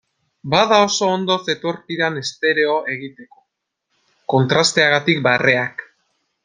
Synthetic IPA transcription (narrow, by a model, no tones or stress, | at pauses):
bað̞ao̞so̞ːnd̪o̞θe̞t̪o̞ɾkiɾane̞st̪e̞ɾe̞o̞e̞ɣit̪e̞ko̞ | ko̞nt̪ɾast̪e̞aɣ̞at̪ikbare̞ak